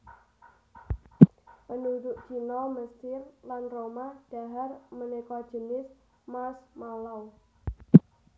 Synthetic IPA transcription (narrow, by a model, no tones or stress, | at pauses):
pənuɾʊʔkinɔməst̪ɪrlanromahd̥a̤ɦarmənekɔd̥ʒ̥ənɪs | masmalaw